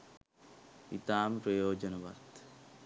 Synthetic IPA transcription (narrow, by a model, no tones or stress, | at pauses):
ḭt̪amɾojod͡ʑɔnoba̰d̪